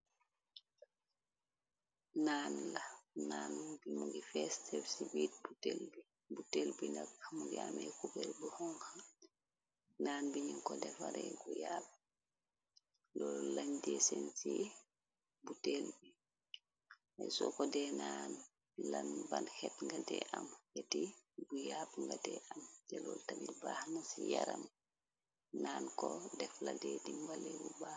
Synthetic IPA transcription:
naːnlanaːnbimuɡifɛstɛfsibiːt̚butelbi | butelbindɐkmuɡiamɛkubɛlbuhɔŋha | naːnbiɲiŋkɔdɛfaɾɛɡujab̚ | lɔlaɲdɛsɛnsi | butelbi | asɔkɔdɛnan | lanbanhɛtŋɡadɛʔamhetibujabŋɡadɛʔamtɛlɔltabilbaːhnasijaɾam | naːnkɔdɛfladɛdiŋɡalɛbuba

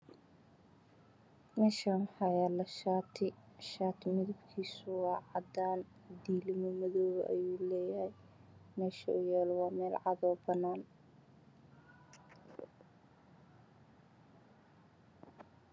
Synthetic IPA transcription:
mɛːʃawɑħɑjɛlɐʃaːt̪ʰɪʃaːt̪ʰɪmɪðɐbkʰiːsʊwɑːʕɑd̪aːn | d̪iːlɪmɔmɐðɔːwɐ̰ʔɐ̰juːlɛːjɐhɛj | mɛːʃɐʊjɛːlwɑːmɛːlʕɑðɔːbɐnːaːn

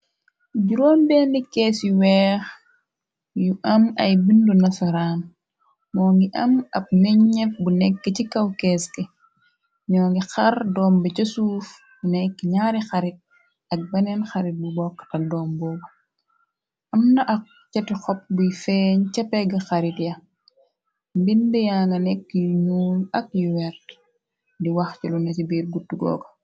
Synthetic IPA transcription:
ɟuɾoːnbɛndikɛːsjuwɛːx | juʔɐmɐ̰jbindunɐsɐɾaːn | mɔːŋɡiʔɐmɐp̚nɛɲɲɛfbunɛkːɐcikɐwkɛske | ɲɔːŋɡixɐrdɔːmbɐcɐsuːf | bunɛkːɲaːɾixɐɾit̚ | ɐk̚bɐnɛnxɐɾit̚bubɔkːɐ̥tɐldɔːmbɔbɐ | ʔɐmnɐʔɐk̚ | t͡ʃɐtixɔp̚bujfɛɲcɐpːɛɡɐxɐɾitjɐ | mbindɛjaːŋɡɐnɛkːjuɲuːlɐk̚juwɛɾt | diwɐxcilunɐcibiːɾɡutːuɡɔ̰ːko̥

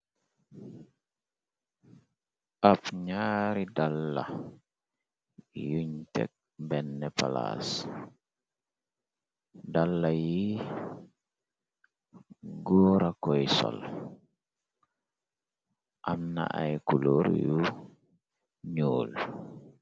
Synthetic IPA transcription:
ʔapɲaːɾidalːa̰ | juɲtɛ̰k̚ | bɛnːɛpa̰la̰ːs | dalːaji | ɡɔːɾakɔjsɔ̰l | ʔamna̰ʔa̰jkuloɾju | ɲoːl

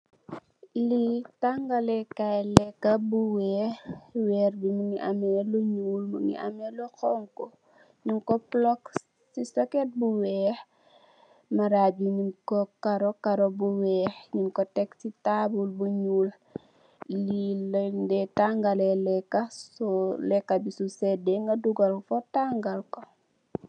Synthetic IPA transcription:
litaŋɡalɛkalɛkːɐbuwɛːwɛːrbimuŋiʔamɛluɲuːlmṵŋḭʔa̰mɛlɔxɔŋkɔ | ɲuŋkɔplɔk | sisɔkɛt̚buwɛːh | maɾabimikɔkaɾɔkaɾɔbuwɛːhɲuŋkɔtɛksitabulbuɲuːl | lildɛtaŋɡalɛlɛkːasɔlɛkːabisusɛdɛŋɡɐduɡɐlfɔtaŋɡalko

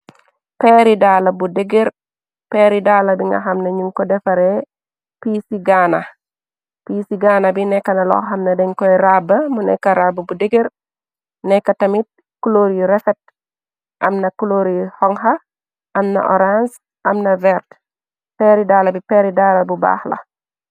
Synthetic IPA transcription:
pɛɾidalabudɛɡeɾ | peɾidaːlabiŋɡa̰ɦamnaɲuŋkɔdɛfaɾɛ | pisiɡana | pisiɡanabinɛkːanalɔ̰ɦamnɐdɛŋkɔjɾabɐmunɛ̰kːaɾabəbudeɡeɾ | nɛkːatɐmit̚ | kuloɾiɾɛfɛt̚ | ʔɐ̰mnɐkuloɾihɔŋɦa | ʔɐmna̰ʔɔɾans | ʔɐmnɐvɛɾt | pɛɾidaːlabipɛɾidaːlɐbuba̰ːxlɐ̰

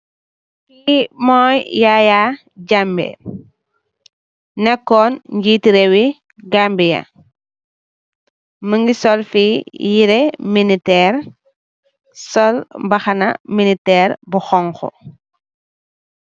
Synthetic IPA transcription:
kimɔːjjajaː | ɟambɛ̰ | nɛkːɔnɲɟiːtiɾɛwi | ɡambijɐ̰ | məŋɡisɔlfijiɾɛminitɛːr | sɔlbɐxɐnɐ̰minitɛːɾbuxɔŋxɔ̰

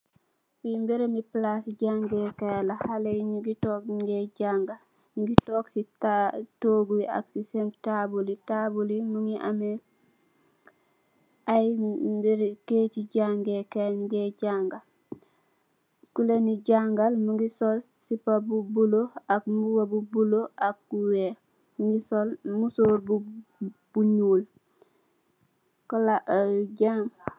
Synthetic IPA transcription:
pimbiɾemiplasɟaŋɡɛkalahalejɲuɡitɔːkiŋɡeɟaŋɡa | ɲuɡitɔːksiatoːɡuia̰ksisɛmptabulitabulimuŋɡiʔa̰me | ajmbiɾkeciɟaːŋɡekenɡeɟaŋɡal | skuleniɟaŋɡalmuŋɡisolsipabubuloakmuwabubuloʔak̚ɡuwe | muŋɡisolmusoːɾbu | b̥uɲuːl | kolaʔɟaŋ

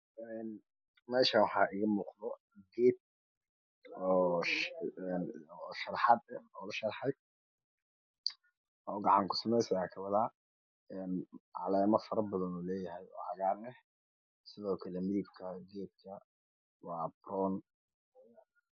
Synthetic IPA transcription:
ɛːn | mɛːʃɐwɑħɑːʔɪɣɐmuːqðɔ | ɡɛːd̪̚ | ɔː | nʃɐɾħɑd̪ɛɔːlɐʃɐɾħɑj | ʔɔːɡɑʕɑŋkʰʊ̥sɐmɛjsɐjaːkʰɐβɐðɐ | ɛnʕɑ̰lɛːmɐfɐɾɐbɐðɐnuːlɛːjɐɦɛjɔ̰ːʕɑɣaːɾnɛh | sɪðɔːkʰɐlɛmɪðɪbkʰɐɡɛːd̪̚kʰɐ | wɑːbrɔːn

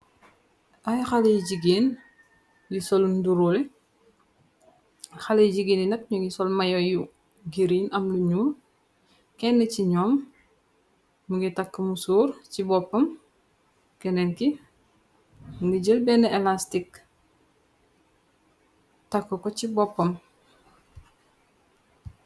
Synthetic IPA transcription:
ʔajxalejɟiɡeːn | jusɔlunduɾulɛ | xalejɟiɡeːninɐt̚ɲuŋisɔlmɐjɔju | ɡiɾiːnʔɐmluɲuːl | kɛnːəciɲɔːm | uŋɡitakːəmusuːɾcibɔpːɐm | kɛnenki | muŋɡiɟəlbɛneelastik | takːukocibɔpːɐm

